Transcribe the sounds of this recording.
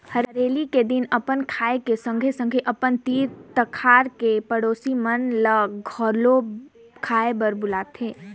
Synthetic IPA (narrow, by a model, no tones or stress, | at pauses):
həɾəɾeːliked̪ɪnɐpənkʰaːekesə̃ŋɡʱesə̃ŋɡʱeʔɐpənt̪iːɾt̪əkʰaːɾkepəɽoːsimənləɡʱɔːɾlo | kʰaːebəɾbʊlaːt̪ɦeː